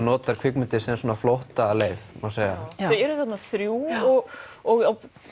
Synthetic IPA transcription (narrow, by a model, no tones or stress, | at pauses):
nɔːt̪aɾ̥kʰvɪkmʏnt̪ɪsɛnsɔːnaflowht̪aleːjθmaseːjɣaɛɛɾʏθat̪naθɾjuːɔɣɔɣaw